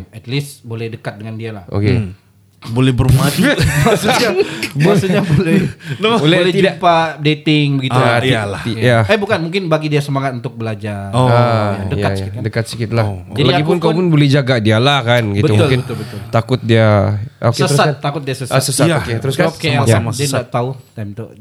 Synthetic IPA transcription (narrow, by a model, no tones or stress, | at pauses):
ɛt̪lisbolɛhdəkat̪̚dəŋandialaho̰ke | bolɛhbərmad͡ʒubasəɲbuasəɲabolɛbolɛbolɛht̪iapadet̪ɪŋbəɡiualaijaɛhbukanmuŋkɪnbaɡidiasəmaŋat̪̚unt̪ʊk̚bəlad͡ʒaɾoaadəikat̪jsakɪkadəkat̪̚si̥kɪt̪̚lad͡ʒaldaiaɡipʊnkawpʊnbolɛhd͡ʒaɡadialahkanɡitbəumlkɪnət̪ʊlbət̪ʊlt̪akʊt̪̚diaokesəəɾsataːakʊt̪̚diasəsasəsataoket̪əɾʊskakeajaamasdianaʔt̪aut̪ajmt̪ṵ